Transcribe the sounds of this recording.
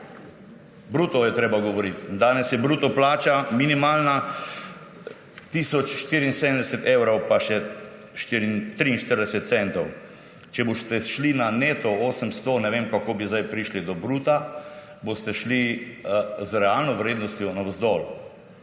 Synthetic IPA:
bɾuːt̪ɔjɛt̪ɾeːbaɡɔʋɔɾit̪nd̪aːnɛsjɛbɾuːt̪ɔplaːt͡ʃaminimaːlna | t̪isɔt͡ʃʃt̪iːɾinsed̪əmnd̪ɛsɛt̪ewɾowpaʃɛ | ʃt̪iɾint̪ɾiːnʃt̪əɾd̪ɛsɛt̪t̪sɛnt̪ɔw | t͡ʃɛbost̪ɛʃlinaneːt̪ɔoːsəmst̪onɛʋeːmkakoːbizd̪ajpɾiʃlid̪ɔbɾuːt̪a | bost̪ɛʃli | zɾɛaːlnɔʋɾeːd̪nɔst̪jɔnazd̪ɔl

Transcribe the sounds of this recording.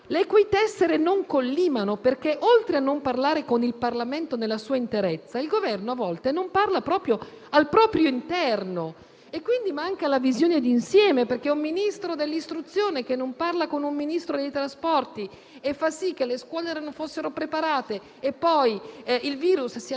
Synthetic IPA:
lekwijt̪ɛsːeɾenoŋkolːiːmanoperkeʔolt̪ɾeanːomparlaːɾekonilparlament̪onelːasuːaint̪eɾɛt̪sːailɡovɛrnoavːɔlt̪enomparlapɾɔːpɾjo | alpɾɔːpɾjoint̪ɛrno | ekːwind̪imaŋkalavizjoːned̪iːnsjɛːmeperk̟eumːinist̪ɾod̪elːist̪ɾut̪sːjoːnek̟enːomparlakonumːinist̪ɾod̪ejt̪ɾaspɔrt̪i | efːasik̟ːeleskwɔːlɛɾanofosːeɾopɾepaɾaːt̪eː | pːɔjilviːɾussi

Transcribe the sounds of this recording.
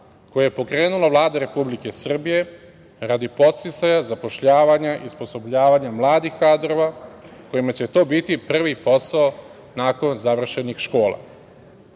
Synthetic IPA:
ko̞jejepo̞kɾe̞ːnulaʋlˠaːd̪aɾe̞publike̞sr̩bije̞ | ɾad̪ipo̞t̪st̪it̪sajazapo̞ʃʎaːʋaɲaʔispo̞so̞bʎaːʋaɲamlˠaːd̪ixkaːd̪ɾo̞ʋa | ko̞jimat͡ɕe̞t̪o̞ːbit̪ipr̩ʋipo̞sao | naːko̞nzaʋr̩ʃe̞nixʃko̞ːlˠa̰

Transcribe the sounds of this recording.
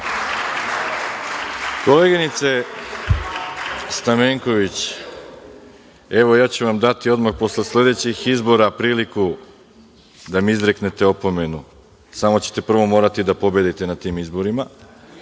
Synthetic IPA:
ko̞le̞ɡinit̪se̞ | st̪ameːŋko̞ʋit͡ɕ | e̞ʋo̞jaːt͡ɕuʋamd̪at̪io̞d̪maxpo̞sle̞sle̞d̪e̞t͡ɕixizbo̞ɾapɾiːliku | d̪amizɾe̞kne̞t̪eo̞po̞me̞nu | samo̞t͡ɕe̥t̪e̞pr̩ʋo̞mo̞ːɾat̪id̪apo̞bje̞d̪it̪e̞nat̪iːmizbo̞ɾima

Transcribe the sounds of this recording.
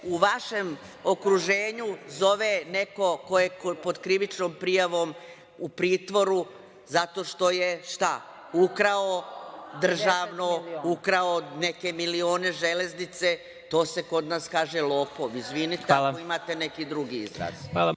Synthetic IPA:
uʋaʃe̞m | o̞kɾuʒe̞ːɲuzo̞ʋeneko̞ko̞jekopod̪kɾiʋit͡ʃnoːmpɾijaʋo̞m | upɾiːt̪ʋo̞ɾu | zat̪o̞ːʃt̪o̞jeʃt̪a | ukɾaod̪r̩ʒaːʋnoukɾaoneke̞milioːne̞ʒele̞znit̪se | t̪o̞ːse̞ko̞d̪naːskaːʒelˠo̞ːpoizʋinit̪eakoimat̪e̞ne̞kid̪ɾuɡiizɾa̰ːzal

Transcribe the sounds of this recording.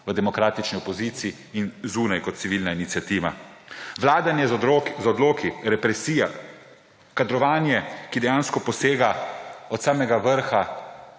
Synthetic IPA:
ʋəd̪ɛmɔkɾaːt̪it͡ʃniɔpɔziːt̪sii | inzuːnajkɔt̪tsiʋiːlnainitsijat̪iːʋa̰ʋlaːd̪anjɛzɔd̪loːkiɾɛpɾɛsiːja | kad̪ɾɔʋaːnjɛkid̪ɛjaːnskɔpɔseːɡaɔt̪saːmɛɡaʋəɾxa

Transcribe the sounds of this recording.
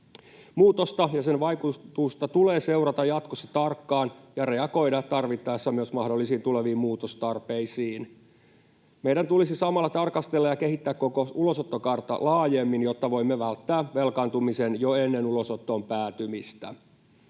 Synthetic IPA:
muːt̪ost̪ɑjɑsenʋɑjkut̪ust̪ɑt̪ule̞ːse̞uɾɑt̪ɑjɑt̪kosːɑt̪ɑrkːɑːnjɑre̞ɑɡo̞jdɑt̪ɑrʋit̪ːɑesːɑmyøsmɑhdo̞lːisiːnt̪uleʋiːmuːt̪ost̪ɑrpe̞isiːn | mejdɾænt̪ulisisɑmɑlːɑt̪ɑrkɑst̪e̞lːɑjɑke̞ɦit̪ːæːkkːo̞koulo̞sot̪ːokɑrt̪ɑ̰lɑːjemːinjot̪ːɑʋo̞imːeʋælt̪ːæːʋe̞lkɑnt̪umise̞njoenːe̞nulo̞sot̪ːo̞ːmpæːt̪ymist̪æ̰

